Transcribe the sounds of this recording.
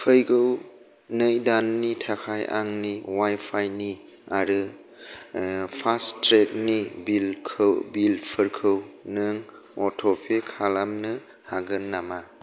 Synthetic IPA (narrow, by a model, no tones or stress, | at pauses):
pʰɯjɡɯw | nɯjdanːitʰakʰajʔa̰ŋniwajpʰajni | aɾɯ | pʰastɾek̚nibilkʰɯbilpʰɯɾkʰɯwnɯŋ | ɔtʰɔpʰekʰalamnɯ | haɡɯnːama